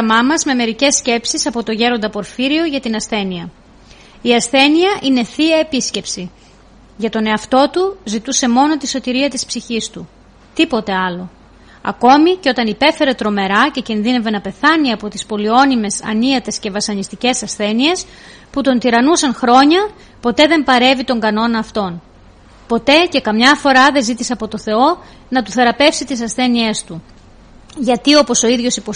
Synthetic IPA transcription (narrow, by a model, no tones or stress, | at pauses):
ɐmɐmɐzme̞me̞ɾice̞sce̞psisɐpo̞t̪o̞ʝe̞ɾo̞nd̪ɐpo̞ɾfiɾio̞ʝɐt̪inɐsθe̞niɐ | iɐsθe̞niɐʔine̞θiɐepisce̞psi | ʝɐt̪o̞ne̞ɐft̪o̞t̪uzit̪use̞mo̞no̞t̪iso̞t̪iɾiɐt̪ispsiçist̪u | t̪ipo̞t̪e̞ɐlo̞ | ɐ̰ko̞miceo̞t̪ɐnipe̞fe̞ɾe̞t̪ɾo̞me̞ɾɐce̞cinðine̞ve̞nɐpe̞θɐniɐpo̞t̪ispo̞lio̞nime̞sɐ̰niɐt̪e̞sce̞vɐsɐnist̪ice̞sɐsθe̞nie̞s | put̪o̞nt̪iɾɐnusɐnxɾo̞ɲɐ | po̞t̪e̞ðe̞mpɐɾe̞vit̪o̞ŋɡɐno̞nɐːft̪o̞n | po̞t̪e̞ce̞kɐmɲɐfo̞ɾɐðe̞zit̪iseɐpo̞t̪o̞θe̞o̞ | nɐt̪uθe̞ɾɐpe̞fsit̪is̬ɐsθe̞nie̞st̪u | ʝɐt̪io̞po̞so̞iðʝo̞sipo